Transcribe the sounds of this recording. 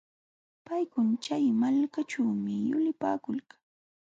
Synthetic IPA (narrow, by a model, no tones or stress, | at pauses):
pajkʊnt͡ʃajmalkat͡ʃawmɪjʊlɪpaːkʊlkḁŋ